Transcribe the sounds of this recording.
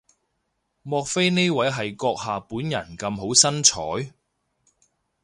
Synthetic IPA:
mɔː˧k̚fe˥jne˥jwɐ˨˥jɦɐ˨jkɔː˧k̚haː˨puː˨˥njɐ̰˨˩nkɐ˧mɦo˨˥wsɐ˥nt͡ʃʰɔː˨˥j

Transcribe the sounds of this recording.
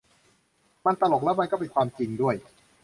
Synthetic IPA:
ma˧nt̪a˧lo˨˩k̚lɛ˦˥wma˧nkɔː˥˩p̬e˧nkʰwaː˧mt͡ɕi˧ŋdu˥˩əj

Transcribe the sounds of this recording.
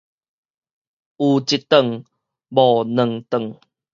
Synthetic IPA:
ʔu˨t͡ɕi˨t̪ə˨ŋ | bɔ˨nə˨ŋt̪ə˨ŋ

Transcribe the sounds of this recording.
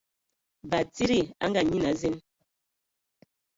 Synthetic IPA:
ba˨ti˦ɾi˦˨a̰˦ŋɡa˨ɲi˦na˨˦zi˦n

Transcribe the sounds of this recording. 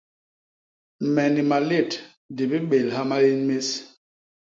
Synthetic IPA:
mɛ˨ni˨ma˨le˦˨t | di˨bi˦ɓe˨lha˦ma˦li˦nme˦s

